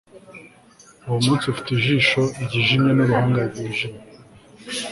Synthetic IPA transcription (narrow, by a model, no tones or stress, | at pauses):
uwomũːnt͡siufi̥tiʒiːʃoiɟiʒimɲenoβuhaːŋɡaɡiʒime